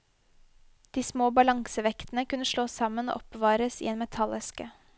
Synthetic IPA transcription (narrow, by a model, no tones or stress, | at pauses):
d̪̥iːsmoːbɑlɑŋsəʋɛkt̪n̩əkʉnəʂɭoːsɑməno̰ːʔɔpʋɑːɾəsḭːeːnmɛt̪ʰɑlɛskə